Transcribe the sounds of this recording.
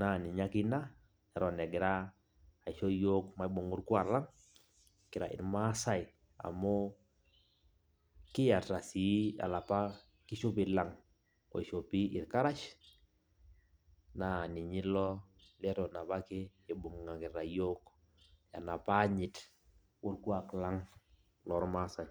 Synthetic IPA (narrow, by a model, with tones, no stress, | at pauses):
na˦˨ni˨ɲa˦ki˦na˦ | ɛ˨ɾɔ˨nɛ˨ɡɪ˨ɾaː˦˨ | ʃɔ˦jo˦kma˨i˦bu˨ŋu˦ɾku˦a˨la˦ŋ | kɪ˨ɾa̰˨ʔɪ̰˨nma˦sa˦j | a̰˨mo˦ | kɪ˦ja˨ta˨si˨˦a̰˨la˨pa˦ | ki˦ʃo˦pi˨la˨ŋ | ɔ̰˨ʃo˨pi˦ʔɪ˨ɾka˦ɾa˦ʃ | na˨ni˨ɲi˦lɔ˦ | lɛ˦ɾɔ˨na˨pa˦kɪ˦ | e˨bu˨ŋŋa˨kɪ˨ɾa˨jo˦k | ja̰˨na˨pa˦ɲɪ˨t | wu˦ɾku˦a˨kla˦ŋ | lɔ˦ɾma˦sa˨j